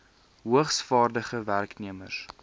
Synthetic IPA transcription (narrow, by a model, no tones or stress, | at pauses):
ɦuəχsfɑːrdəχəværkniəmə̰s